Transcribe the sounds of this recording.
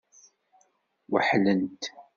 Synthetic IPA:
wəħlənt̪

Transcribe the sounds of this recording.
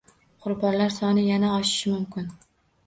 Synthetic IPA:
qʰʊɾbɒnlaɾsɒnɪjanaɒʃɪ̥ʃɪmʊmkʲʰɪn

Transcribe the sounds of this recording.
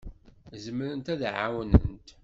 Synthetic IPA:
zəməɾənt̪æðʕa̰wnə̰nt̪

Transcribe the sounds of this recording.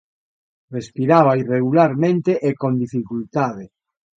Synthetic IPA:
respiɾaβ̞aireɣulaɾmẽnt̪eʔekond̪ifikult̪aðe

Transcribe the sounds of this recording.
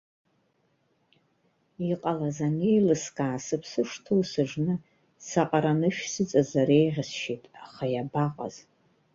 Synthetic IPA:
iqʼalazanejlɨskaːsɨpʰsɨʂtʰowsɨʐnɨ | saqʼaɾanɨʃᶣsɨt͡sʼazaɾejʁʲɪsʃetʼaχajabaqʼa̰z̥

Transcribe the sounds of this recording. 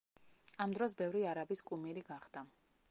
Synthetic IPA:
amd̪ɾɔsbɛvɾiaɾabiskʼumiɾiɡaχd̪a

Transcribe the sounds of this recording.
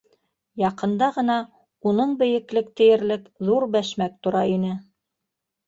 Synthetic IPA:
jɑqɤ̆nd̪ɑʁɤ̆nɑ | unɤɴbɘ̆jɘ̆klɘk̚t̪ɘ̆jɘ̆ɾlɘkðuɾbæʃmæk̚t̪ŏɾɑinɘ

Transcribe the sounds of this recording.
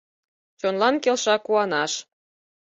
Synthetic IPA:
t͡ɕonlɑnkelʃɑkuɑnɑʃ

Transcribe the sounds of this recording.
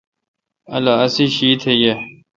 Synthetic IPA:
ɐlaɐsiɕiːt̪ʰeje

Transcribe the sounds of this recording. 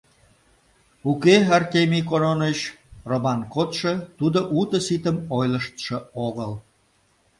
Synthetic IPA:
ukeɑrt̪emʲikononəɕromɑnkot̪ʃə̆t̪ud̪oʔut̪əsit̪əmojləʃt̪ʃə̆oɣəl

